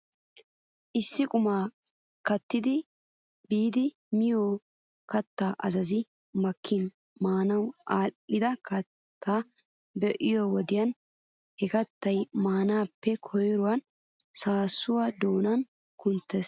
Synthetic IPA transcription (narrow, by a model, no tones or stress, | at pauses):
ʔɪsːɪkʼʊmaː | kɐt̪ːɪd̪ɪ | biːd̪ɪ | mɪjoː | kɐt̪ːaːʔɐzɐzɪ | mɐkʰːɪn | maːnɐwʔaːʔɪd̪ɐkʰɐtt̪ʰːaː | bɛʔɪjoːwɔd̪ɪjɐn | hɛkɐt̪ːɐjmaːnaːpːɛkʰɔjɾʊwɐn | saːsʊwad̪oːnɐn | kʊnt̪ːeːs